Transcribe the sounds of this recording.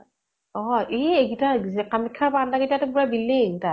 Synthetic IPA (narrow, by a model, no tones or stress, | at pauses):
ɔʔeeɡitaɡisɛkamikʰːaɹpandaketijatʊbuɹabilːeeɡita